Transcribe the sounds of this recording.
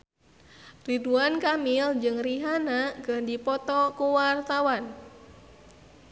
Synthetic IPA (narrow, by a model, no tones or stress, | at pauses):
riduankamild͡ʒɨŋriɦanaɡəhdipɔt̪ɔkuwart̪awan